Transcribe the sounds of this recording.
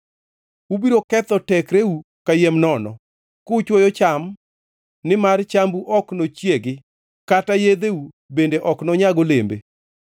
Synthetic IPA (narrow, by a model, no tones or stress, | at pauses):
ubiɾokɛt̪ɔtɛkɾeu | kajemnɔnɔ̰ | kot͡ʃwojɔt͡ʃam | nɪmart͡ʃambuʔɔknot͡ʃjeɡɪ | katajed̪eu | bendeʔɔknɔɲaɡolembḛ